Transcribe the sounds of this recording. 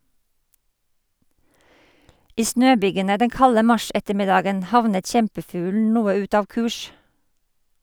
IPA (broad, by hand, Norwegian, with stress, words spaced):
ˈiː ˈsnøːˌbyːɡənə ˈdɛŋ ˈkɑlə ˈmɑˌʃɛtəˌmɪdɑːɡən ˈhɑʋnət ˈçɛmpəˌfʉːln̩ ˈnuːə ˈʉt ˈɑːʋ ˈkʉːʃ